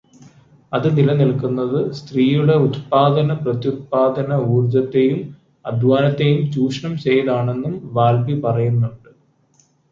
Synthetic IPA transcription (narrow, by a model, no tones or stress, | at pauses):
ɐðɨnilɐnilkunːɐðɨst̪riːjuɽe̞ut̪paːd̪ɐnɐprɐt̪jut̪̚paːd̪ɐnɐuːrd͡ʑɐt̪ːe̞jum | ɐd̪ʱʋaːnɐt̪ːe̞jumt͡ɕuːʂɳɐmt͡ɕe̞jɐðaːɳe̞nːumʋaːlbipɐrɐjunːuɳɖɨ